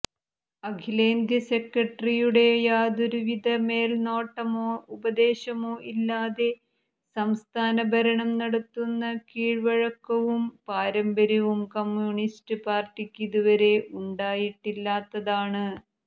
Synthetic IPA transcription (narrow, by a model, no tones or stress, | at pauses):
ɐɡʰʱileːnd̪jɐse̞krɐʈːrijuɽe̞jaːd̪uɾuʋid̪ʱɐmeːlno̞ːʈːɐmoːubɐd̪e̞ːɕɐmo̞ːʔilːaːðe̞ | sɐmst̪ʰaːnɐbɐɾɐɳɐmnɐɽɐt̪ːunːɐkiːɻʋɐɻɐkːɐʋumpaːɾɐmbɐɾɐʋumkɐmjuːɳistɨpaːrʈːikʲːiðuʋɐɾe̞ʔuɳɖaːjiʈːilːaːt̪ːɐðaːɳɨ